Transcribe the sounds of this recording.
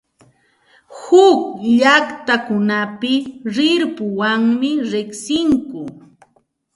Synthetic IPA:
hʊkʎakt̪akʊnapɪɾɪɾpʊwaŋmɪɾɪksɪŋkʊ

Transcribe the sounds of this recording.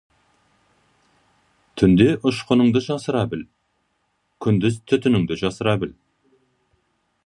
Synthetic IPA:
t̪ʰʏnd̪eʔʊʃqənəɴd̪əʒɑsəɾɑbɪl | kʲʰʏnd̪ɪzt̪ʰʏt̪ʏnɪŋd̪ɪʒɑsəɾɑbɪl

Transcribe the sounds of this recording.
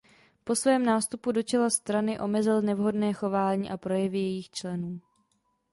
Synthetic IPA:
po̞svɛːmnaːst̪upudo̞t͡ʃɛlast̪ɾanɪʔo̞mɛzɪlnɛvɦo̞dnɛːxo̞vaːɲiːʔapɾo̞jɛvɪjɛjiːxt͡ʃlɛnuː

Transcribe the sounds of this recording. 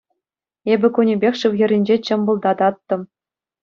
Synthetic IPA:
ebʲɘ̆kunʲebʲexʲʂɯʋʲɣʲɘ̆ɾʲĭnʲd͡ʑet͡ɕɤ̆mbulˠd̪ɑd̪ɑt̪ːɤ̆

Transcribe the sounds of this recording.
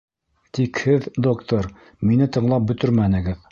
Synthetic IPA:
t̪ikhɘðd̪okt̪oɾ | minɘt̪ɤ̆ɴlˠɑp̚bɵ̆t̪ɵɾmænɘ̆ɡɘð

